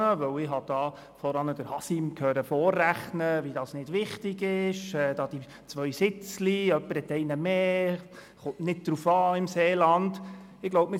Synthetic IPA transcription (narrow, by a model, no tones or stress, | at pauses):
əʋœwɪɦɑd̥ɑː | fɔɾɑnəd̥əɾhɑsimkʰœɾəfɔːrːæχnəvidɑːsnɪd̥ʋɪχtɪɡɪʃɛːd̥ɑːd̥̪i | t͡sʋœʏsɪt͡sliœpːəɾhɛt̪ɛɪnəmeː | χʊntnɪd̚d̪̥ɾufɑːɪmseːlɑnd | ɪɡ̥loʊbmɪ